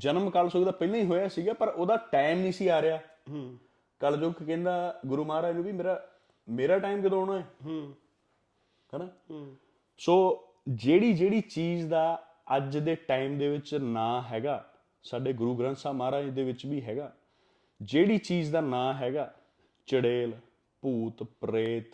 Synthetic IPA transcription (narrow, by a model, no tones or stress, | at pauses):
d͡ʒənəmkəlsoːɡd̪aːpɛɪlãːĩːɦoːjaːsiːɡaːpəɾoːd̪aːʈaːɪmnĩːsiːaːɾɪjaː | kəld͡ʒoːkkɛ̃ːnd̪aːɡʊɾuːmaːɾaːɪnũːbiːmeːɾaː | meːɾaːʈaːɪmkɪd̪oːɽaːɛː | hənãː | soː | d͡ʒeːɽiːd͡ʒeːɽiːt͡ʃiːzd̪aː | əd͡ʒd̪eːʈaːɪmd̪eːʋɪt͡ʃnãːɦɛːɡaː | saːɖeːɡʊɾuːɡɾə̃nsaːmaːɾaːd̪eːʋɪt͡ʃbiːɦɛːɡaː | d͡ʒeːɽiːt͡ʃiːzd̪aːnãːɦɛːɡaː | t͡ʃəɽeːl | puːt̪pɾeːt̪